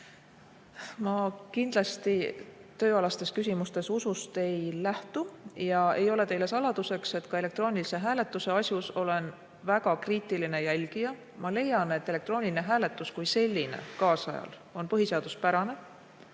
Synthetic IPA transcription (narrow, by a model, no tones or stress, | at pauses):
mɑkind̪lɑst̪it̪ø̞ːɑlɑst̪e̞skysʲimust̪e̞susust̪e̞jlæht̪ujɑe̞jo̞le̞t̪e̞jle̞sɑlɑd̪̥use̞kse̞t̪kɑe̞le̞kt̪ro̞ːnilise̞ɦæːle̞t̪ːˑuse̞ɑsʲjuso̞le̞n | væɡɑkriːt̪iline̞jælʲɡ̥ijɑ | mɑle̞jɑne̞t̪ːe̞le̞k̚t̪ro̞ːnʲilineɦæːle̞t̪ːˑuskujse̞lʲːine̞̰kɑːsɑjɑ̰l | o̞npɤɦise̞ɑd̪uspæɾɑne̞